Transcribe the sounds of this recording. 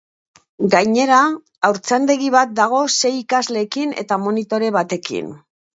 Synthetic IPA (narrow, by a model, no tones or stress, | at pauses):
ɡajɲe̞ɾaː | wɾt͡sand̪e̞ɣiβat̪̚d̪aɣ̞o̞se̞jikazle̞ːkine̞̰t̪amo̞nit̪o̞ɾe̞βat̪e̞kḭn